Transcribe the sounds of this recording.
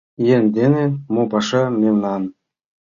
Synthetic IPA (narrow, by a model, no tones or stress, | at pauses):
jenʲd̪enemopɑʃɑmemnɑn